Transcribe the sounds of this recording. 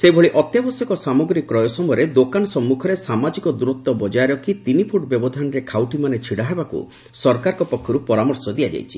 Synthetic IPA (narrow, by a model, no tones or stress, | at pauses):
sebʱɔɭiʔɔt̪jabɔsjɔkɔsamɔɡɾikːɾɔjɔsɔmɔjɔɾed̪okanɔsɔmːukʰɔɾesamad͡ʒikɔd̪uɾɔt̪ːɔbɔd͡ʒaeɾɔkʰːit̪inipʰuʈɔbjɔbɔd̪ʱanɔɾekʰawʈimanet͡ʃʰiɽaɦebakṵ | sɔɾkaɾɔkɔpɔkʰːɔɾupɔɾamɔɾsɔd̪iad͡ʒa̰jt͡ʃʰi̥